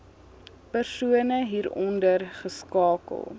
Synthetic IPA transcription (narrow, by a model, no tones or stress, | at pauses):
pərsuənəɦiːɾɔndərχəskɑːkə̰lˠ